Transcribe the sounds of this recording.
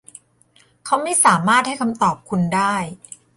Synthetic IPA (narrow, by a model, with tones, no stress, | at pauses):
kʰa˦˥wma˥˩jsaː˨˩˦maː˥˩t̪̚ha˥˩jkʰa˧mt̪ɔː˨˩p̚kʰu˧ndaː˥˩j